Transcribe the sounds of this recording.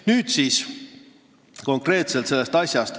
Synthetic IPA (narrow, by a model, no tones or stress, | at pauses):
nyːd̪siːs | ko̞ŋkre̞ːt̪selt̪se̞lːe̞st̪ɑsʲjɑst̪